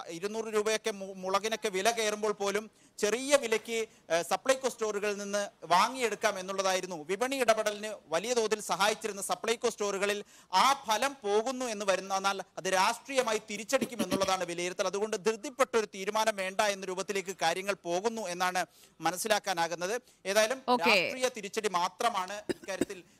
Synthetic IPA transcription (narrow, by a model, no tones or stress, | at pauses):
iɾunːuːrɨɾuːbɐjo̞kːe̞muɭɐɣɐno̞kːe̞ʋilɐke̞ːrumboːɭpo̞ːlum | t͡ɕe̞riːjɐʋilɐkʲːɨ | sɐpɭɐjko̞ːstoːruɣɐɭilninːɨʋaːŋːijeɽukːaːme̞nːuɭːɐðaːjiɾunːuʋibɐɳiiɽɐbɐɽɐlinɨʋɐlijɐd̪o̞ːðilsɐɦaːjit͡ɕːiɾunːɐsɐpɭɐjko̞ːsto̞ːruɣɐɭil | aːpʰɐlɐmpo̞ːɣunːue̞nːɨʋɐɾunːɐnːaːlɐðɨɾaːʂʈriːjɐmaːjit̪iɾit͡ɕːeɽikʲːume̞nːuɭːɐðaːɳɨʋilɐjiɾɐt̪ːilɐðuɣo̞ɳɖɨd̪ʱrɨd̪ʱːjiɐpːe̞ʈːɐo̞ɾut̪iːɾumaːnɐmʋe̞ːɳɖɐe̞nːɐɾuːbɐt̪ːile̞ːk̬ːɨkaːɾjɐŋːɐɭpo̞ːɣunːue̞nːaːɳɨ | mɐnɐsːilaːkːaːnaːɣunːɐðɨ | e̞ːðaːjɐlumoːɾaːʂʈriːjɐt̪iɾit͡ɕːɐɽimaːt̪rɐmaːɳɨikːaːɾjɐt̪ːil